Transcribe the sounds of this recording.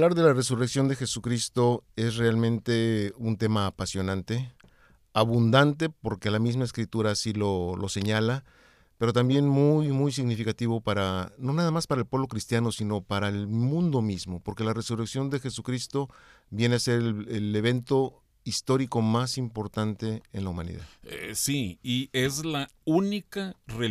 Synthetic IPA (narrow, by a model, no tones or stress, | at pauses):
alaɾðe̞lare̞sureksjo̞nd̪exe̞sukɾist̪o̞e̞s̬re̞almẽnt̪e̞unt̪e̞maːpasjo̞nãnt̪e̞ | aβund̪ant̪e̞po̞ɾke̞lamizmaeskɾit̪uɾasilo̞lo̞se̞ɲala | pe̞ɾo̞t̪ambje̞nmujmujsiɣnifikat̪iβo̞paɾano̞naðamaspaɾaelpwe̞βlo̞kɾist̪jano̞sino̞paɾaelmũnd̪o̞mizmo̞po̞ɾke̞lare̞sureksjo̞nd̪e̞xe̞sukɾist̪o̞ | βje̞nease̞ɾeele̞β̞e̞nt̪o̞ | ist̪o̞ɾiko̞masimpo̞ɾt̪ant̪e̞ːnlaumãnḭða̰ðesiiezla | unikare